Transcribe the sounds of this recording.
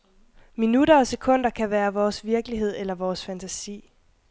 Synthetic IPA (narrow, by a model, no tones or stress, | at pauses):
minuɾɐɒ̽se̝kʰɔ̽n̰d̥ɐkʰæʋæːɐʋɒːsʋiɐɡ̥liɦe̝ð̞̰ˠelɐʋɒːsfænt͡sʰæsḭː